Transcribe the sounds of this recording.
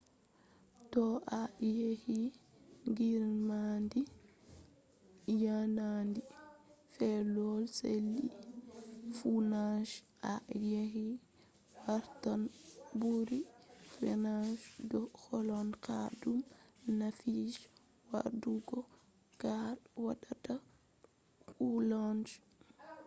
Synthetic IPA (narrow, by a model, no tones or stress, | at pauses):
tɔʔajehi | ŋɡiɾmandi | janandifɛlɔlselːi | funaʃ | ʔajeɦi | waɾtanbuɾifɛnaʃdɔkɔlɔnkadumnafiʃ | wa̰ɾduɡɔ | kawaɗata | kuland͡ʒ